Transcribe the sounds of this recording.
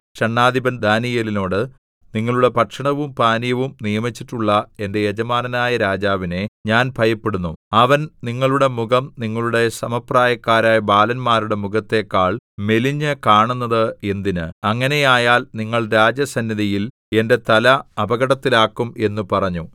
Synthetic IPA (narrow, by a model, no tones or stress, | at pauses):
ɕɐɳːaːd̪ibɐnd̪ʱaːnijɐlino̞ːɽɨ | niŋːɐɭuɽe̞pɐʈʂɐɳɐʋumpaːnijɐʋumnijɐmit͡ɕːiʈːuɭːɐe̞nde̞jed͡ʑɐmaːnɐnaːjɐɾaːd͡ʑaːʋine̞ɲaːnpʰɐjɐpːeɽunːuɐʋɐnniŋːɐɭuɽe̞muɡɐmniŋːɐɭuɽe̞sɐmɐpraːjɐkːaːɾaːjɐbaːlɐnmaːɾuɽe̞muɣɐt̪ːe̞ːkːaːɭme̞liɲːɨkaːɳunːɐðɨe̞nd̪inɨɐŋːɐne̞jaːjaːlniŋːɐɭɾaːd͡ʑjɐsɐnːiðɐjil | e̞nde̞t̪ɐlɐɐbɐɣɐɽɐt̪ːilaːkːume̞nːupɐrɐɲːu